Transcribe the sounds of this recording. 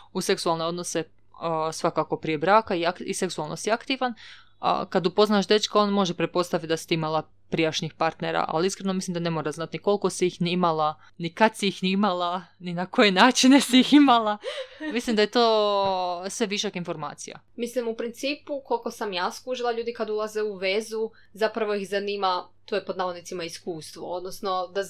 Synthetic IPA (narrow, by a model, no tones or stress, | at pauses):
use̞ksualneo̞d̪no̞se | sʋakako̞pɾije̞bɾaːkaiakise̞ksualˠnʔosiakt̪iːʋan̰ | kad̪upo̞znaːʃd̪e̞t͡ʃkao̞nmo̞ʒepɾet̪̚po̞st̪aʋit̪̚d̪asi̥t̪iimalˠa | pɾiaʃnixpaɾt̪neɾa̰ʔa̰liiskɾenomislimd̪ane̞moɾaznat̪niko̞lko̞siixniimalˠa | nikad̪siixniimalˠaninako̞jenaːt͡ʃine̞siiximalˠamislˠimd̪ajet̪oː | sʋe̞ʋiʃokinfo̞ɾma̰ːt̪sḭja̰ | mislimupɾint̪siːpuko̞lko̞samjaːskuʒilˠaʎuːd̪ikad̪ulˠazeuʋe̞zu | zapɾaʋo̞ixzaniːmat̪ojpo̞d̪naʋonit̪simaiskuːst̪ʋo̞od̪nosnod̪a